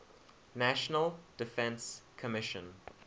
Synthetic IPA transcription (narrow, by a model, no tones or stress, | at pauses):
næʃənəlˠd̥ɪfɛ̃nskʰəmɪʃə̃n